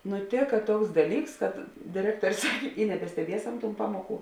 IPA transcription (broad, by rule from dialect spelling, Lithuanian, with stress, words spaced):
nʊˈtʲeːkɐ ˈtuɔks ˈdɑːˌlʲiːks kɐt dʲeːˈrʲæːktuɔrʲ ˈsɑːkʲeː ɪ nʲɛbʲɛsʲtʲɛˈbʲiɛsɐm tuːn ˈpɑːmuɔˌkuː